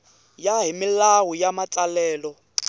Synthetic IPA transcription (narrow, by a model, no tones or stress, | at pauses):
jaɦimilawujamat͡ɬʼalɛːlɔ